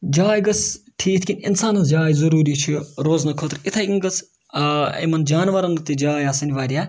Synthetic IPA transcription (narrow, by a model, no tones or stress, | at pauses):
d͡ʒaːjɡɐsʈʰiːt̪ʰkʲinʲḭnsaːnɐsd͡ʒaːjzɐɾuːɾiːt͡ʃʰiɾoːznɐkʰoːt̪ɾit̪ʰɐjɡʲiŋɡɐt͡s | ɐ̰jmɐnd͡ʒaːnʋɐɾɐŋɡɨt̪id͡ʒaːjaːsɐnʲiʋaːɾija